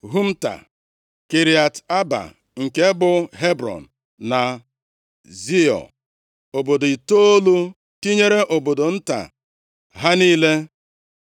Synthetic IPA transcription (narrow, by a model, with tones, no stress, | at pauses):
ɦu˦m̩˦ta̰˨ | ke˨ɾi˨a˨ta˦ba̰˨ | ŋ̩˨ke˦bʊ˨ɦe˦bɾɔ̰˨n̩˨ | na˨ | zi˦ɔ̰˨ | o˨bo˨do˨i˨to˦o˦lu˦ | ti˦ɲe˦ɾe˦ʔo˨bo˨do˨n̩˦ta̰˨ | ɦa˦niː˦le˦